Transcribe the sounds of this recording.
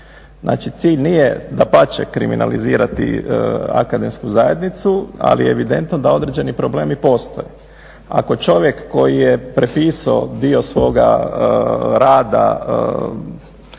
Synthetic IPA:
znʔa̰ːt͡ʃit̪siːʎnijed̪apat͡ʃekɾḭmina̰liziːɾat̪ḭa̰kad̪emskuzaje̞d̪nit̪sua̰lijeeʋid̪e̞nt̪nod̪ao̞d̪ɾed͡ʑe̞nipɾo̞ble̞ːmipo̞st̪oje | a̰ko̞t͡ʃo̞ʋje̞kːo̞jijepɾepiːsaod̪io̞sʋo̞ɡa̰ | ɾaːd̪a̰

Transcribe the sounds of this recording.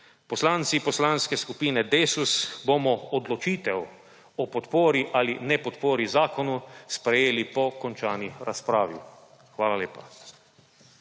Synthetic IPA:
pɔslaːnt̪sipɔslaːnskɛskupiːnɛd̪eːsusbomɔɔd̪lɔt͡ʃiːt̪ɛw | ɔpɔt̪poːɾiʔaːlinɛpɔt̪poːɾizaːkɔnuspɾɛjeːlipɔkɔnt͡ʃaːniɾaspɾaːʋi | xʋaːlaleːpa

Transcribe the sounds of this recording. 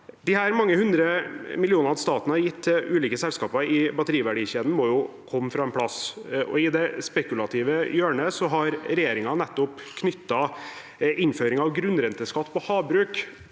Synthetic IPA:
d̪ɪhæːɾmɑŋːəhʉnd̪ɾəmɪlɪuːnəɾɑʋst̪ɑːt̪nəhɑɾjɪt̪ːʉːliːkəsɛlskɑːpɑɪbɑt̪əɾiːʋæɖiːɕeːd̪n̩mɔjʊkʰɔmːəfɾɑːɛnpʰɽɑsʔɔ̰ɪd̪ɛspɛkʉlɑt̪ʰiːʋəjøːɳəsɔɦɑɾɾɛjeːɾɪŋɑnɛt̪ːɔpkʰnʏt̪ːɑ | ɪnːføːɾɪŋɑʋɡɾʉnːɾɛnt̪əskɑt̪ːpʰɔhɑːbɾʉːk

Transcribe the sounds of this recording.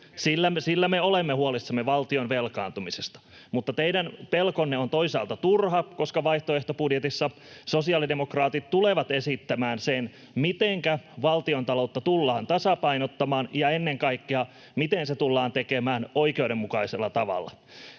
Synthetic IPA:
silːæsilːæmeolemːehuolisːɑmːeʋɑlt̪io̞nʋelkɑːnt̪umisest̪ɑ̥ | mut̪ːɑt̪eidænpelkonːeont̪oisɑ̰ːlt̪ɑt̪urhɑko̞skɑʋɑiht̪oeht̪opudjet̪isːɑ | sosiɑlidemokrɑːt̪it̪t̪uleʋɑt̪esit̪ːæmæːnsen | mit̪eŋkæʋɑlt̪iont̪ɑlout̪ːɑt̪ulːɑːnt̪ɑsɑpɑinot̪ːɑmɑːnjɑenːeŋkɑikːeɑ | mit̪enset̪ulːɑːnt̪ekemæːnoikeudemːukɑiselːɑt̪ɑʋɑ̰lːɑ̰

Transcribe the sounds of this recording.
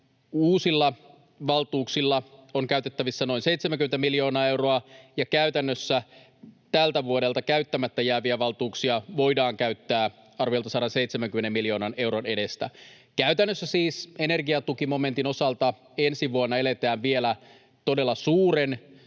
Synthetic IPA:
uːsilːɑ | ʋɑlt̪uːksilːɑoŋkæyt̪e̞t̪ːæʋisːænoinse̞it̪semæŋkymet̪æmiljo̞ːnɑːe̞wro̞ɑjɑkæyt̪ænːøsːæ | t̪ælt̪æʋuode̞lt̪ɑkæyt̪ːæmæt̪ːæjæːʋiæʋɑlt̪uːksiɑʋo̞jdɑːŋkæyt̪ːæː | ɑrʋijolt̪ɑsɑɾɑnseit̪semæŋkymːenemːiljo̞ːnɑne̞wɾone̞de̞st̪æ̰ | kæyt̪ænːøsːæsiːse̞ne̞rɡiɑt̪ukimo̞me̞nt̪ino̞sɑlt̪ɑ | ensiʋuonːɑelet̪æːʋʋielæ | t̪o̞de̞lːɑsuːɾe̞n

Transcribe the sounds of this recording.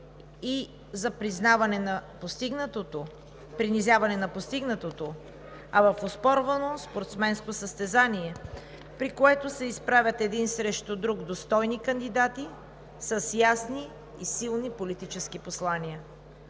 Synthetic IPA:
i | zɐpɾiznavɐnɛnɐpost̪iɡnət̪ot̪o | pɾinizʲjavɐnɛnɐpost̪iɡnət̪ot̪o | ɐvɐfospɔɾvənospoɾt̪smɛnskosəst̪ɛzaniɛ | pɾikoɛt̪osɛispɾavʲət̪ɛd̪insɾɛʃt̪od̪ɾuɡd̪ost̪ɔjnikənd̪id̪at̪i | səsjasniː | silˠnipolit̪it͡ʃɛskiposlˠaniə

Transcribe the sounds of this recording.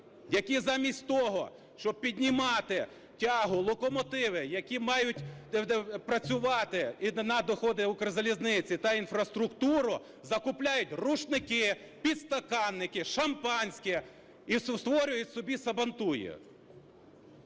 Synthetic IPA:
jɐkʲizɑmʲisʲtʲt̪ɔɦɔ̰ | ʃt͡ʃɔb̚pʲidʲnʲimɑt̪ɪ | tʲɑɦʊlˠɔkɔmɔt̪ɪʋɪjɐkʲimɑjʊt̪ʲ | pɾɐt͡sʲʊʋɑt̪ɪnɐd̪ɔxɔd̪ɪʊkɾɪzɐlʲiznɪt͡sʲit̪ɐinfɾɐst̪ɾʊkt̪uɾʊ | zɐkʊplʲajʊtʲruʃnɪkɪ | pʲid̪st̪ɐkɑnːɪkɪʃɐmpɑnʲsʲkʲi | iswst̪ʋɔɾʲʊjʊtʲsɔbʲisɐbɐnt̪ujɛ̰

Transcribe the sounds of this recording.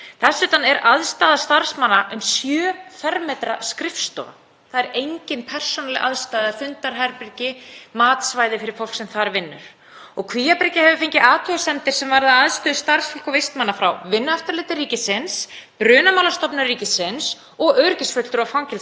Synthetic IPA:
θɛsːʏt̪anɛɾaðst̪aːðast̪aɾ̥smanːaʔʏmsjœːfɛɾmɛt̪ɾaskɾɪfst̪ɔ̰a̰ | θaðɛɾejɲcɪnpʰɛr̥sɔnalɪ̰ʔaðst̪aːðafʏnt̪aɾɦajɾpɾɪcɪmaːt̪svaːjðɪfɪɾɪɾ̥fowl̥ksɛmθaɾvɪnːʏ̰ɾ̥ | ɔɣkʰviːjapɾɪcɪhɛvʏfejɲcɪaːt̪ʰɔasɛnt̪ɪɾ̥sɛmvaɾðaaðst̪ʏːðʏst̪ar̥sfɔl̥kɔvejst̪manːafɾa̰wvɪnːʏaft̪aɾlɪt̪ɪːiːcɪsɪnspɾʏːnamawlast̪ɔpnʏriːcɪsɪns | ɔɣœɥɾcɪsfœl̥t̪ʏɾawfawŋcɪl

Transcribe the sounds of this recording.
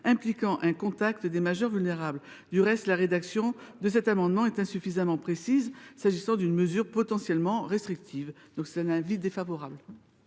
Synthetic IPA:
ɛ̃plikɑ̃ʔɛ̃kɔ̃t̪akt̪d̪emaʒœʁvylneʁabl | d̪yʁɛst̪laʁed̪aksjɔ̃d̪əs̬ɛt̪amɑ̃d̪mɑ̃ɛt̪ɛ̃syfizamɑ̃pχesizsaʒisɑ̃d̪ynməzyʁpɔt̪ɑ̃sjɛlmɑ̃ʁest̪χik̚t̪ʰiv | d̪ɔ̃ksɛt̪ɛ̃nɛ̃vid̪efavɔʁabl

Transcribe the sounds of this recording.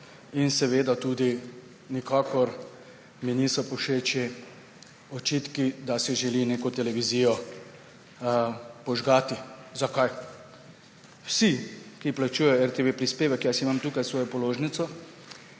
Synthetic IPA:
insɛʋeːd̪at̪uːd̪i | nikaːkɔɾ | miniːsɔpɔʃeːt͡ʃi | ɔt͡ʃit̪kid̪asɛʒɛlineːkɔt̪ɛlɛʋizijɔ | pɔʒɡaːt̪izakaj | wsikiplat͡ʃuːjɛjɔɛɾt̪eʋepɾispeːʋɛkjasimamt̪ukajsʋɔːjɔpɔloːʒnit̪sɔ

